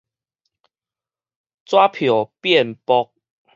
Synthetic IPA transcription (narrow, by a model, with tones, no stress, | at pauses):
t͡swa˦pʰjo˨˩pjɛ˥˨npɔ˦k̚